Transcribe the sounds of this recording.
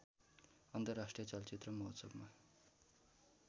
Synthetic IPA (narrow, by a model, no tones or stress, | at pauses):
ʌnt̪ʌrasʈrijʌt͡sʌlt͡sit̪rʌmʌɦosʌbma